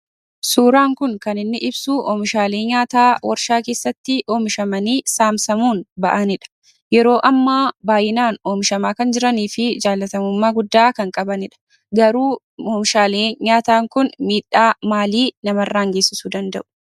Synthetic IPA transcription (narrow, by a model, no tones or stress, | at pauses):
suːɾaːŋkʊŋkɐnɪnːɪʔɪbsuːʔɔːmɪʃaːleːɲaːt̪aːwʔɐɾʃaːke̞ːsːɐt̪ːɪʔoːmɪʃɐmɐniːsaːmsɐmuːnbɐʔɐnɪᶑɐ̥ | jɛɾo̞ːʔɐmːaːbaːjɪnaːnoːmɪʃɐmaːkɐnd͡ʒɪɾɐniːfɪd͡ʒaːlːɐt̪ɐmʊmːaːɡʊd̪ːaːkɐŋkʼɐbɐnɪᶑɐ̥ | ɡɐɾuː | ɔːmɪʃaːleːɲaːt̪aːŋkʊnmiːᶑːaːmaːliːnɐmɐrːaːŋɡe̞ːsːɪsuːd̪ɐnd̪ɐ̰ʔʊ̥